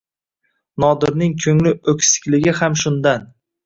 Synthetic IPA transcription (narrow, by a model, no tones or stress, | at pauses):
nɒd̪ɪɾnɪŋkʲʰɵŋlɪɵkʲsɪ̥kʲlɪɡʲɪhamʃʊnd̪an